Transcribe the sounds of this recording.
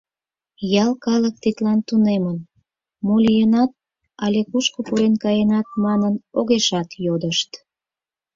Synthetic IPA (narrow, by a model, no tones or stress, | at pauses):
jɑlˠkɑlək̚t̪it̪lɑnt̪unemən | molʲijenɑt̪̚ | ɑlʲekuʃkopuɾenkɑjenɑt̪̚mɑnənoɣeʃɑt̪jod̪əʃt̪